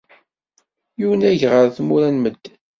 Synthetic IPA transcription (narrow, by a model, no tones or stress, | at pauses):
juwənæʝʁəɾθmuɾænməd̪ː